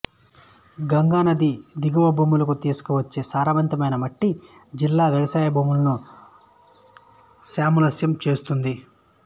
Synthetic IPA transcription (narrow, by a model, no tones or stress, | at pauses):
ɡɐŋɡaːnɐd̪id̪iɡɐʋɐbʱuːmulɐkut̪iːsu̥kuʋɐt͡ʃːeːsaːɾaʋɐnt̪ɐmɐjnɐmɐʈːid͡ʒilːaːʋjɐʋɐsaːjɐbʱuːmulɐnu | saːmulɐsjɐmt͡ʃe̞ːst̪und̪i